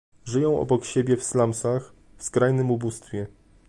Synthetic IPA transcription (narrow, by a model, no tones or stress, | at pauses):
ʐɘjɔ̃w̃ʔɔ̰bɔkɕebʲjɛfslamsax | fskɾajnɘmubust̪fʲjɛ